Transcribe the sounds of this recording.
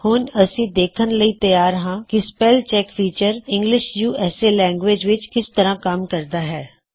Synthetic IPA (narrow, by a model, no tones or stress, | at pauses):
hʊːnəsĩːd̪eːkʰənləiːt̪əjaːɾɦãːkispɛːlt͡ʃɛːkfiːt͡ʃəɾɪ̃ŋɡlɪʃjuːɛːseːlɛ̃ːŋɡʋeːd͡ʒʋɪt͡ʃkɪst̪əɾãːkəmkəɾd̪aːɦɛː